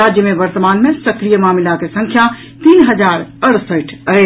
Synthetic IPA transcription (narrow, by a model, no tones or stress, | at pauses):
ad͡ʒjəmẽʋəɾt̪əmaːnmẽsəkɾijəmaːmilakesə̃ŋkʰja | t̪iːnɦəd͡ʒaːɾəɾsəʈʰəe